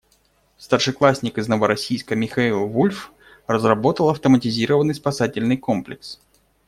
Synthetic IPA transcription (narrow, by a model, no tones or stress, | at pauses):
st̪ərʂɨklˠasʲnʲɪkɨznəvəɾɐsʲijskəmʲɪxailˠvulʲf | rəzrɐbo̞t̪əlˠɐft̪əmətʲɪzʲiɾəvənːɨjspɐsatʲɪlʲnɨjko̞mplʲɪks